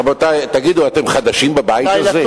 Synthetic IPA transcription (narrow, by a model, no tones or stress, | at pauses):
bot̪ajt̪aɡid̪uat̪e̞mχad̪aʃimbabajitaze